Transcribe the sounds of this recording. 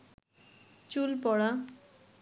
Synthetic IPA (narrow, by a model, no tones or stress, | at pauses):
t͡sulpʌɽa